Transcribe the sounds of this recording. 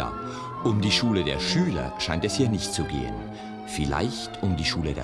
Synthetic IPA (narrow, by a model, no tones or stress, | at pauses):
ʔʊmdiːʃuːlədeːɐʃyːlɐ̰ʃaɪntɛshiːɐnɪçtt͡suɡḛːə̰n | fɪla̰ɪçtʰʊmdiːʃuːlədḛɐ